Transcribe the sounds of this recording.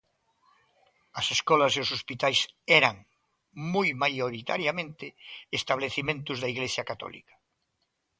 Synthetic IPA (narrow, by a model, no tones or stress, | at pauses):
ɐseskɔlɐseosospit̪ajsɛɾaŋ | mojmajoɾit̪a̰ɾjamẽnt̪ɪːst̪aβleθimẽnt̪ʊzðɐiɣlesjɐkat̪ɔ̰lḭkɐ̥